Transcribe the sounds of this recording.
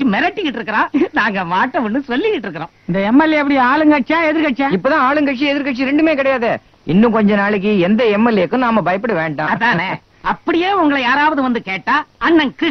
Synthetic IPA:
imɛɾɐʈːikːɪʈːɪɾɯkːɯɾãːnaːŋɡɐʋaːʈːɐʋʊnːɯsɔlːɪkɪʈːɪɾɯkːɯɾõːɪnd̪ɐɛmːɛlːiɐp̬ːɐɽɪjaːɭɯŋɡɐʈt͡ʃãːɛðɪɾɯkɐʈt͡ʃãːɪpːoːt̪ãːaːɭɯŋɡɐʈt͡ʃiɛðɪɾkɐʈt͡ʃiɾɛɳɖɯmeːkɪɽɐjaːðɯ | ɪnːɯ̃kɔɲd͡ʒɐ̃naːɭɯk̬ːɯɛnd̪ɐɛmːɛlːikːɯ̃naːmɐbɐjɐpːɐɽɯʋeːɳɖãːɐðãːne | ɐpːɐɽɪjeːʊŋɡɐɭɐjaːɾaːʋɐðɯʋɐnd̪ɯkeːʈːaːɐnːɐnkɪ

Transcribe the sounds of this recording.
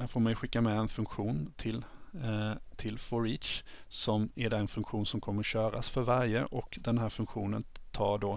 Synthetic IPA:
hæːɾfoːɾmɛjɧɪkːamɛɛnfɵŋkɧuːnt̪ʰɪl | t̪ʰɪlfɔɾiːt̪t͡ʃsɔmæɾɖ̪ɑːɛnfɵŋkɧuːnsɔmkʰɔmːəɾɕøːɾa̰sfœɾvæɾjəʔɔkd̪ɛnɦæːɾfɵŋkɧuːnə̰nt̪ʰɑːɖoː

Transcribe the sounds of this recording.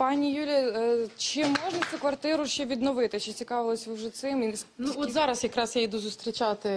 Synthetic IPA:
pɑnʲijulʲiɐt͡ʃɪmɔʒnɐt͡s̪ʲukʋɐrt̪ɪɾʊʃt͡ʃɛʋʲid̪nɔʋɪt̪ɪt͡ʃɪt͡sʲikɑʋelˠɔsʲwʒɛt̪sɪminuɔt̪zɑɾɐsjɐkɾɑsjajd̪uzʊst̪ɾʲit͡ʃɑt̪ɪ

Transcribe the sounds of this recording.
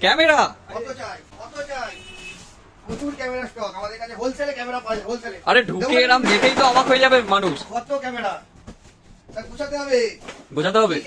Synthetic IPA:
kɛmeɾaɔt̪ot͡ʃajkɔt̪ot͡ɕaj | not̪uɾkɛmeɾasʈɔkamad̪eɾkat͡ɕʰebolt͡ʃʰelekɛmeɾapabolt͡ʃʰeleaɾeɖʱuklenamnekejt̪oamakɦojed͡ʑabemanuʃkɔt̪okɛmeɽa | taɾbut͡ʃʰat̪eɦɔbeɡod͡ʑʱat̪eɦɔbe

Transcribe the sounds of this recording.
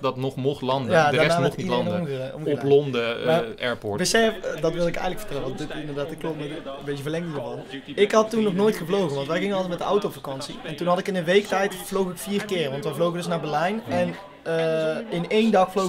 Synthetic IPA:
dɑtnɔχmɔχlɑndəjaːdədaɛnaːmɔnilɑndəmɔmɔplɔndəmaːɛɹpɔɹbəsɛdɑtʋɪlˠdɪkɛ̰jɣənləfə̥ɹtɛlənʋɑndɪtɪndəɹdaːtɪkːloməmbejtəvəlɛŋənəvɑlnˠɪkɦɑtːunːɔχnoːjtχəvlowɣənʋɑntʋɛjɣɪŋənlˠɛt̚mɛtdəʔɔwtowfakɑnsiɛntunɦɑtɪkɪnənʋejktɛjtflowɣɪkfiːrkɪːrʋɑntʋəjvlowɣəndɵs̬naːɹbɛlɛjnɛn | ɪnejndɑxflo

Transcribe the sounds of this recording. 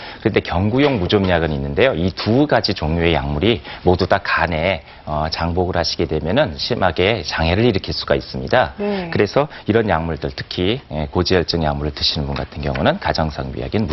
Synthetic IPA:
kɯɾʌnde̞kjʌŋɡujoŋmud͡ʑomɲaɡɯninːɯnde̞joituɡad͡ʑit͡ɕoŋɲjoe̞ja̰ŋmuɾimodutakane̞ | ʌt͡ɕaŋboɡɯɭhaɕʰi̥ɡe̞dwe̞mjʌnɯnɕʰimaɡe̞t͡ɕaŋɦe̞ɾɯɾiɾɯkʰiɭs͈uɡais͈ɯmɲidakɯɾe̞sʰʌiɾʌnjaŋmuɭdɯɭtʰɯ̥kʰiekod͡ʑijʌɭt͡ɕ͈ɯŋjaŋmuɾɯɭtɯɕʰinɯnbunɡa̰tʰɯnɡjʌŋunɯnkad͡ʑaŋsʰaŋbḭa̰ɡinm

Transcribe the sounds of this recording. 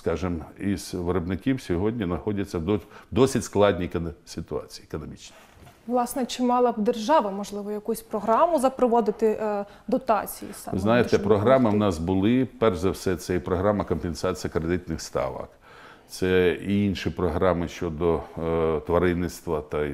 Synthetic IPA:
skɑʒɪmiz̥ʋeɾɔbnɪkʲiwsʲɔɦɔdʲnʲinɐxɔdʲɐt͡sʲːɐd̪ɔd̪ɔsʲitʲsklˠɑdʲnʲisʲɪt̪ʊɑ̰t͡sʲi̥jekɔnɔmʲit͡ʃnʲi | ʋlˠɑsnɛt͡ʃɪmɑlˠɐbd̪erʒɑʋɐmɔʒlˠɪʋɔjɐkusʲpɾɔɦɾɑmʊzɐpɾɔʋɔd̪ɪt̪ɪ | d̪ɔt̪ɑt͡sʲijḭsɑ̰ʋɪ̰znɑjet̪ɛpɾɔɦɾɑmɪwnɑsbʊlˠɪpɛrʒzɐwsɛt̪sɛipɾɔɦɾɑmɐkɔmpensɑt͡sʲijɐkɾed̪ɪt̪nɪxst̪ɑ̰ʋɐ̰k | t̪sɛiinʃipɾɔɦɾɑmɪʃt͡ʃɔd̪ɔt̪ʋɐɾɪnːɪt̪st̪ʋɐt̪ɐ

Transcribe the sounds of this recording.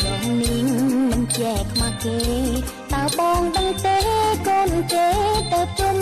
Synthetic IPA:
tɛhniəŋŋmɨnt͡ɕɛkʰmaːkeː | t̪aəɓɑːŋɗəŋt̪ehkoːnkeːt̪əwp̚ʰt͡ɕuəm

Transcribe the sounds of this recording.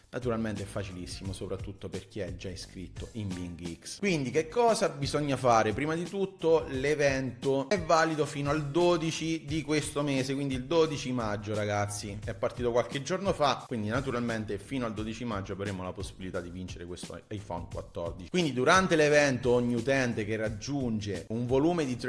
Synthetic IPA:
nʔat̪uɾalment̪eɛfːat͡ʃilisːimosopɾat̪ːut̪ːoperk̟iɛd͡ʒːaiskɾit̪ːoimbiŋɡikskwind̪ikekʰːɔːzabizoɲːafaːɾepɾiːmad̪it̪ut̪ːolevɛnt̪oɛvːaːlid̪ofiːnoald̪oːd̪it͡ʃid̪ikwest̪omeːzekwind̪ild̪od̪it͡ʃimad͡ʒːoɾaɡat̪sːiɛpːart̪iːt̪okwalked͡ʒornofakwind̪inat̪uɾalment̪efiːnoald̪od̪it͡ʃiimad͡ʒːoavɾemolaposːibilit̪ad̪ːivint͡ʃeɾekwest̪o̰ajfɔ̰nkwa̰t̪ːɔ̰rd̪it͡ʃikwind̪id̪uɾant̪elevɛnt̪ooɲːiut̪ɛnt̪ekerːad͡ʒːund͡ʒeuɱvoluːmed̪it̪ɾ

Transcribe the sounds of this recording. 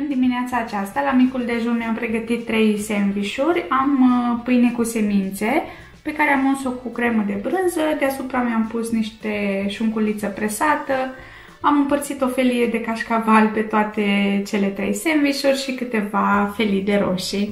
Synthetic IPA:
ɨnd̪imineat̪saːt͡ʃast̪alamikuld̪e̞ʒunmeampɾe̞ɡət̪it̪ːɾe̞jse̞mviʃurʲampɨjne̞kuse̞mint̪se̞ | pe̞kaɾeamunso̞kukɾe̞məd̪e̞bɾɨnzəd̪easupɾameampusniʃt̪e̞ʃuŋkulit̪səpɾe̞sat̪ə | amɨmpərt̪sit̪o̞fe̞lije̞d̪e̞kaʃkavalpe̞t̪oat̪e̞t͡ʃe̞le̞t̪ɾe̞jse̞nviʃurʲʃikɨt̪e̞vafe̞lid̪e̞ɾo̞̰ʃi

